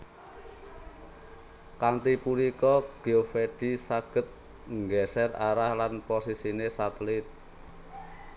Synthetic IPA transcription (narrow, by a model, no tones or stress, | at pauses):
kant̪ipulikɔɡ̥eofeɖ̥i̤saɡ̥ə̤t̪̚ | ŋɡɛsɛraɾahlanposisinesat̪əlɪt̪̚